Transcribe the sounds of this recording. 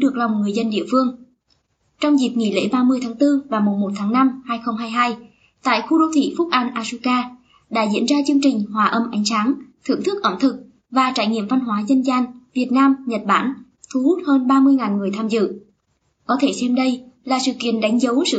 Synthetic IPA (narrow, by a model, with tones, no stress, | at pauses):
ɗɨ˨˩ək̚la˨˩wŋ͡mŋɨ˨˩əjzə˧nɗḭ˧˨əfɨ˧əŋ | t͡ɕɔ˧wŋ͡mzi˨˩p̚ŋḭ˧˩lḛ˧˥ɓaː˧mɨ˧əjt̪ʰaː˨˦ŋt̪ɨ˧vaː˨˩mu˨˩mmo˨˩t̚t̪ʰaː˨˦ŋna˧mhaː˧jxə˧wŋ͡mɦaː˧jɦaː˧j | t̪a̰ː˧˨jxu˧ɗo˧t̪ʰḭ˧˥fʊ˦˥k̚ʔa˧jnʔaː˧su˧kaː˧ | ɗa̰ː˧˥zḭ˧˥ənzaː˧t͡ɕɨ˧əŋt͡ɕï˨˩ŋ̟ɦwaː˨˩ʔə˧mʔa˨˦jŋ̟saː˨˦nt̪ʰɨ̰˧˩əŋt̪ʰɨ˦˥k̚ʔə˧˩mt̪ʰɨ˨˩k̚ | vaː˨˩t͡ɕa̰ː˧˩jŋḭ˧˨əmva˧nɦwaː˨˦zə˧nzaː˧nvi˨˩ət̚naː˧mɲə˨˩t̚ɓa̰ː˧˩n | t̪ʰu˨˦hu˦˥t̚həː˧nɓaː˧mɨ˧əjŋaː˨˩nŋɨ˨˩əjt̪ʰaː˧mzɨ̰˧˨ | kɔ˨˦t̪ʰe˧˩sɛ˧mɗə˧jlaː˨˩sɨ̰˧˨kḭ˧˨ənɗa˨˦jŋ̟zə˨˦wsɨ̰˧˨